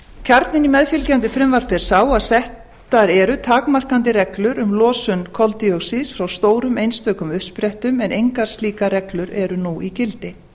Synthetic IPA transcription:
cʰaɾt̪nɪnimɛðfɪlcant̪̬ɪfɾɪmvar̥pɛɾ̥saːwaðsɛhtt̪aɾɛɾʏt̪ʰaːkmar̥kant̪ɪrɛklʏɾʏmlɔːsʏnkʰɔlt̪iɔsisfɾawst̪oːwɾʏmejnst̪œːkʏmʏhspɾɛht̪ʏmɛnejŋkaɾ̥sliːkaɾɛklʏɾɛɾʏnuicɪlt̪ɪ

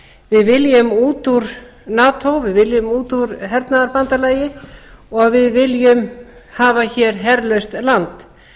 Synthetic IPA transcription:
vɪðvɪljʏmuːt̪uɾ̥ | naːt̪ʰowvɪðvɪljʏmuːt̪uɾɦɛɾt̪naðaɾpant̪alaːjɪɔɣvɪðvɪljʏmhaːvaçɛːɾ̥ɦɛɾlœɥst̪lant̪

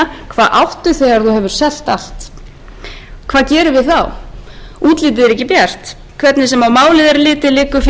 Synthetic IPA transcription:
kʰvaːðʔawht̪ʏθɛːɣaɾ̥θuhɛvʏɾ̥sɛl̥t̪al̥t̪ | kʰv̥aːðcɛːɾʏvɪðθaw | uːt̪liːt̪̬ɪðɛɾɛhcːɪpjɛr̥t̪ | kʰvɛt̪nɪsɛmawmaːwlɪðaɾlɪːt̪ɪlɪːkʏf

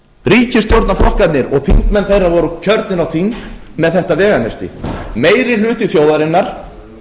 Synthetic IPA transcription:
ɾiːcɪst̪ɔɾt̪naflɔhkat̪nɪɾɔɣθḭŋt̪mɛnθejravɔɾʏcʰœɾt̪nɪɾawθint | mɛðθɛht̪avɛːɣanɛst̪ɪ̰meːjɾɪlʏːt̪ɪθjoːwðaɾɪnːaɾ̥

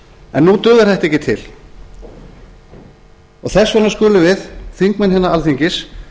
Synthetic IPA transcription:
ɛ̰nːut̪ʏːðaɾ̥θɛht̪ɛhcɪt̪ʰɪl | ɔɣθɛsːvɛnaskʏːlʏvɪðθiŋkmɛnɦɛːnːaalθiɲcɪs

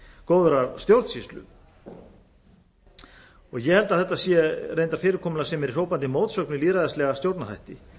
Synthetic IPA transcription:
kowðʏɾaɾst̪jowɾt̪sist̪lʏ̰ | ɔɣjɛhɛlt̪aðθɛht̪ːasjɛrejnt̪aɾ̥fɪːɾɪɾkʰɔːmʏnlasɛmɛɾir̥oːwpant̪ɪmoːwt̪sœknʏiliːðɾajðastlɛɣast̪jowɾt̪nar̥a̰jht̪ɪ

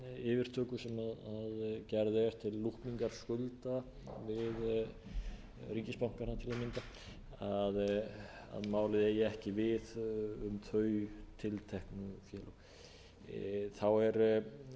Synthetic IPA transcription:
ɪːvɪɾ̥t̪ʰœːkʏ̥sɛmaðaðcɛɾðɪɛɾ̥t̪ʰɪlːuhpmiŋkaɾ̥skʏlt̪a | vɪð | riŋcɪspawŋ̥kaɾat̪ʰɪlaðmɪnt̪a | að | a̰ðmaːwlɪðɛjɛɛhcɪvɪðʏmt̪ʰœːɥt̪ʰɪlt̪ʰɛhknʏfjɛːlɔ | θawɛɾ

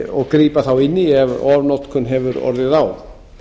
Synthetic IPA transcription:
ɔɣkɾiːpaθawɪnːiɛvɔːvnɔt̪kʰʏnɦɛvʏɾɔ̰ɾðɪðaw

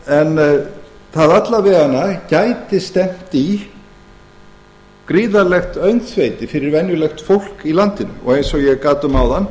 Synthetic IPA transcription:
ɛn | θaðat̪lavɛːɣanːacajt̪ɪst̪ɛm̥t̪i | kɾiːðalɛxt̪œɥnt̪θvejt̪ɪfɪɾɪɾvɛnjʏlɛxt̪fowl̥kilant̪ɪnʏ̰mɔ̰ɣejnsɔɣjɛɣkaːt̪ʏmawðanː

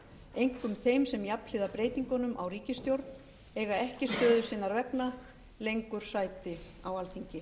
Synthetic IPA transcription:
ejŋ̥kʏmθejmsɛmjapl̥ɪðapɾeːjt̪iŋkɔnʏmʔa̰wriːcɪst̪jowɾt̪n | ɛɣaɛhcɪst̪œːðʏsɪːnːaɾvɛpna | lejŋkʏɾ̥saːjt̪ɪ | awalθiɲcɪ

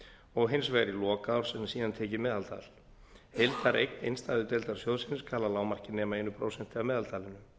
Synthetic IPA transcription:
ɔɣɦɪnsvɛɣɾɪlɔːkaaɾ̥sɛnsiːðant̪ʰɛːcɪmɛːðalt̪ʰa̰ːl̥ | hejlt̪aɾʔejk̚nḛjnst̪aːðʏt̪ɛjlt̪aɾ̥sjowðsɪnɪskʰaːlːalaːwmar̥cɪnɛːmaejnʏpʰɾowsɛn̥t̪ɪavmɛːðalt̪ʰaːlɪnːʏ

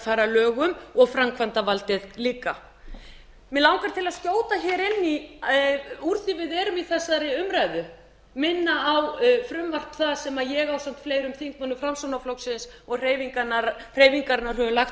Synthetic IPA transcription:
faːjɾalœːɣʏmɔɣfɾamkʰvant̪avalt̪ɪðliːka | mɪlawŋkaɾ̥t̪ʰɪlaðscjoːwt̪açɛːɾɪnːi | uɾθɪvɪðɛːɾʏmiθɛsːaɾɪʏmɾajðʏ | mɪnːaawfɾʏmvar̥pθaðsɛmaðjɛɣawsam̥t̪fleːjɾʏmθiŋk̚manːʏfɾamsownaflowksɪnsɔɣr̥eːjviŋkanaɾr̥eːjviŋkaɾɪnaɾ̥ɦœvʏlaxt̪

